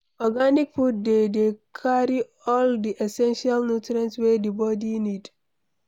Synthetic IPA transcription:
ɔɡanik̚fut̚dedekʰaɹi | ɔldiʔesɛ̃nʃialnutɾãnswedibɔdinid

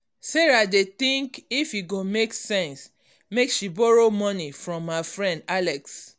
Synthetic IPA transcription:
sɛɹadet̪ĩŋkifjiɡomeksɛ̃ns | mekʃibɔɹomɔnifɹɔ̃mːafɹɛ̃ndalɛks

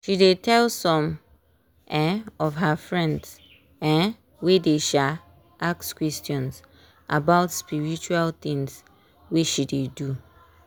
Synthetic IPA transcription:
ʃidetʰɛlsɔ̃m | ɛ̃ɔvɦafɹɛ̃nds | ɛ̃ | wedeʃa | ʔakskwɛstjɔ̃ns | ʔa̰baʊtspiɹit͡ʃualt̪ĩŋs | wiʃidedu

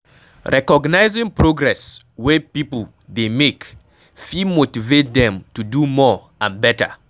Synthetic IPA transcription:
ɹʔɛkɔɡnaɪzɪ̃ŋpɹoɡɹɛs | wepipl̩ | demek | fimotivet̚dɛ̃mtudumɔ | ãnbɛtə̰

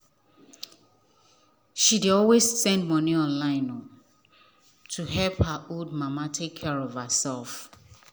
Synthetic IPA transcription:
ʃideɔlwezsɛ̃ndmɔniɔ̃nlãɪ̃nɔ | tʰuɦɛlphəʔold̚mamatʰekʰːɛɹɔv̥əsɛlˠf

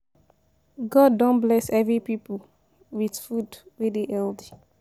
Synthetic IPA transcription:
ɡɔdːõnblɛsɛvɹipipəl | widfudwedeʔɛldi

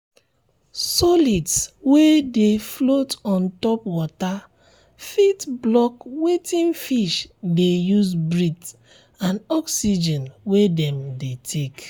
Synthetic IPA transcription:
sɔlitswedeflotɔ̃ntɔpwɔta | fitblɔkwetĩnfiʃdejuzbɹit | ãnɔksid͡ʒɛ̃nwedɛ̃mdetʰek

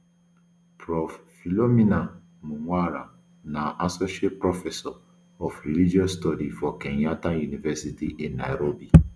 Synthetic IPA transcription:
pɾɔffilomĩnã | mũŋʷaɾa̰ | nãʔasɔʃiet̚pɾɔfɛsɔ | ɔfɾilid͡ʒiɔstɔdifɔkɛ̃ɲjatajunivɛsitiʔĩnːa̰jɾobi

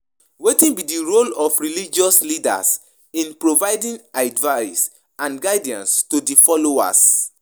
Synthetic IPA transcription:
wetĩnbidiɹolɔfɹilid͡ʒɔslida̰s | ĩnpɹovaɪdĩnaɪdvaɪs | ãnɡaɪdiã̰nstodifɔloa̰s

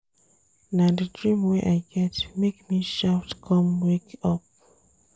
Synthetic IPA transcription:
nadədɹĩmweʔaɪɡɛtmekmiʃaʊtkʰɔ̃mwekɔp̚

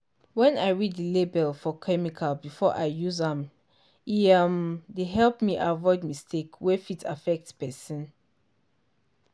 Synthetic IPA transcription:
wɛ̃naɪɹiddəlebɛlfɔkʰɛmikʰalbifɔ̰ʔaɪjuzãm | iamdeɦɛlˠpmiʔavɔɪd̚mistʰekwɛfita̰fɛk̚tspɛsĩn

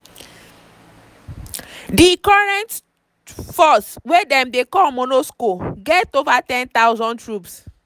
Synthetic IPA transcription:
dikɔɹɛ̃nt | fɔswedɛ̃mdekɔmonoskoɡɛtovatɛ̃nt̪aʊzɔ̃ntɹups

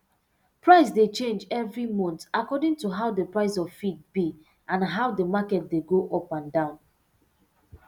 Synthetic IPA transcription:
pɹaɪs̬det͡ʃẽnd͡ʒɛvɹimɔ̃ntakɔdĩŋtuɦaʊdəpɹaɪsɔvfid̚bi | ʔãnɦaʊdəmakɛt̚deɡoʔɔpãndãʊ̃n

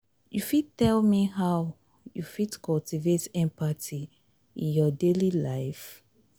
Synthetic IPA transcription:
jufid̚tɛlmiɦaʊ | jufidkʰɔltivetɛ̃mpatʰi | ḭ̃njɔdelilaɪf

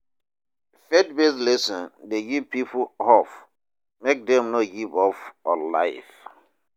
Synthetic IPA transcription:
fɛd̚beslɛsɔ̃ndeɡipːipʰohɔf | mek̚dɛ̃mnoɡivɔfɔla̰ɪf

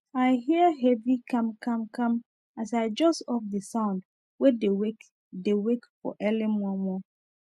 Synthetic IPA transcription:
aɪɦiəɦɛvikʰãmkʰãmkʰãm | as̬aɪd͡ʒɔsɔfdəsãʊ̃nd | wɛdewek | dewekfɔ̰ʔɛlɪ̃mũɔ̃mɔ̃

